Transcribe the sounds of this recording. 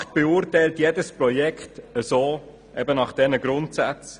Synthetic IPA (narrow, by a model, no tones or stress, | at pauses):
t̚b̥eʊrtɛɪltjedəsprɔjɛkχtəzoː | ʔɛbənɑχd̥ɛnəɡɾʊntsat͡s